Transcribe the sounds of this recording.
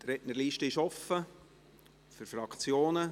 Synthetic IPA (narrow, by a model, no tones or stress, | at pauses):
t̪ɾɛʔnəɾliːʃtəɪʃɔfə | fyɾfɾɑkt͡sjoːnə